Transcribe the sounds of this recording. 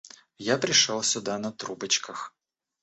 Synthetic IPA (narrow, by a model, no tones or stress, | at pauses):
japɾʲɪʂolˠsʲʊd̪anɐt̪ɾubət͡ɕkəx